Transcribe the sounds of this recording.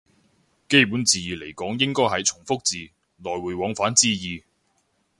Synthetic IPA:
ke˥jpu˨˥nt͡siː˨jiː˨le˨˩jkɔː˨˥ŋjɪ˥ŋkɔː˥jɦɐ˨jt͡sʰʊ˨˩ŋfʊ˥k̚t͡siː˨˧ | lɔː˨˩jwuː˨˩jwɔː˨˧ŋfaː˨˥nt͡siː˥jiː˨˧

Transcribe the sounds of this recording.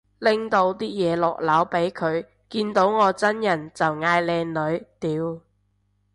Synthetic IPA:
lɪ˥ŋt̪o˧wt̪iː˥jɛː˨˧lɔː˨k̚lɐ˨˥wpe˨˥jkʰɵ˨˧ɥ | kiː˧nt̪o˨˥wŋɔː˨˧t͡sɐ˥njɐ˨˩nt͡sɐ˨wŋaː˧jlɛː˨˧ŋlɵ˨˧ɥt̪iː˨˧w

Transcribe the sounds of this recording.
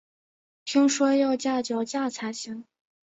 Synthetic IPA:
t͡ɕʰi˥ŋʂwɔ˥jɑ˥˧ʊt͡ɕja˥˩t͡ɕjɑ˨˧˩ʊt͡ɕja˥˩t͡sʰa˧˥ɕi˧˥ŋ

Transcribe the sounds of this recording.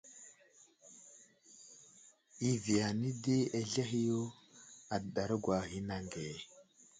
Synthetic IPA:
i˦vi˨ja˨ni˦de˦e˨ɮe˦ɦi˦jo˦ | a˨dɗa˨ɾə˦ɡwa˨ɣi˦na˨ŋɡe˨

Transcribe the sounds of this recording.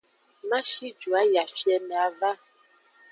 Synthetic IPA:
mã˦ʃi˦d͡ʒu˨a˦ja˨fi˦ɛ˦mɛ˨a˨va˦

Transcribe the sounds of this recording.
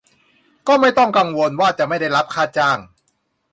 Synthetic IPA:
kɔː˥˩ma˥˩jt̪ɔ˥˩ŋka˧ŋwo˧nwaː˥˩t͡ɕa˨ʔma˥˩jda˥˩jɾa˦˥p̚kʰaː˥˩t̪̚t͡ɕaː˥˩ŋ

